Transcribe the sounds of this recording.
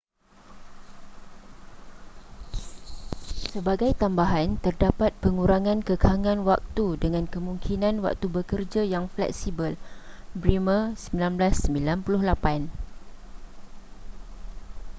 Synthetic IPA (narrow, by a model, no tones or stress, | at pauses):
səbaɡajt̪ambaɦant̪ərdapat̪̚pəŋuɾaŋãnkəkʰaŋãnwak̚t̪udəŋãnkəmũŋkʰinãnwa̰k̚t̪ubəkərd͡ʒajaŋflɛ̰k̚sibəlbɾiməsəmbilanblasːəmbilanpulʊhlapan